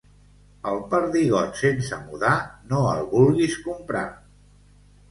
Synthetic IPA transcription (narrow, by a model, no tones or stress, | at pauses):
əlˠpəɾðiɣ̞ɔt̪sensəmuðanoəlˠβulˠɣiskumpɾa